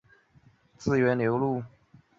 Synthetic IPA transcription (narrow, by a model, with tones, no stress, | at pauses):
t͡sɹ̩˥˩ɥɛ˧˥nljo˧˥ʊlu˥˩